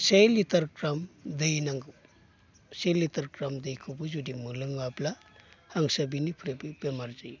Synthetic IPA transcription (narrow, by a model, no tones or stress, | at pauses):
sejlitɐɾkɾamdejnaŋɡɯ | selːitɐɾkɾamdejkʰɯbɯzudimɯlɯŋapla | haŋsabinipʰɾebibemaɾzaj